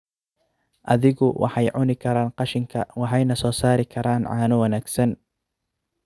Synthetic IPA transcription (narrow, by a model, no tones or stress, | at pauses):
ʔɐðɪɣʊwʔɑ̰ħɑjʕʊnɪkʰɐɾaːnqɑʃɪŋkʰɐwɑħɑjnɐsɔːsaːɾɪkʰɐɾaːnʕɑːnʊwɐnaːɡsɐn